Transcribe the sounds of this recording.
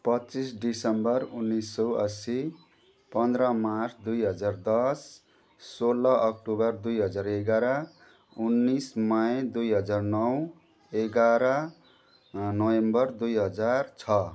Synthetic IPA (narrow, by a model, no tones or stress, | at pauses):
pʌtt͡sisɖisʌmbʌrunːisːʌwʌ̰si | pʌnd̪ɾʌmart͡sʰd̪ujɦʌd͡zard̪ʌsː | olʌʔʌk̚ʈubʌrd̪ujɦʌd͡zareɡaɾʌ | unːismajed̪ujɦʌd͡zarnʌw | eɡaɾʌ | nʌwembʌrd̪ujɦʌd͡zart͡sʰʌ